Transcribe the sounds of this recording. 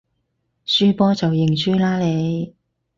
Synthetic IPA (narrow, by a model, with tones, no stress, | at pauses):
syː˥pɔː˥t͡sɐ˨wjɪ˨˩ŋt͡ʃyː˥laː˥le˨˧j